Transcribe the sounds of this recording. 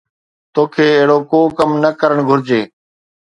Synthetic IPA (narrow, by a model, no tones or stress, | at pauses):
t̪oːkʰeːeɦɪɽoːkoːkəmnəkəɾəɳ̃ɡʱʊɾd͡ʒeː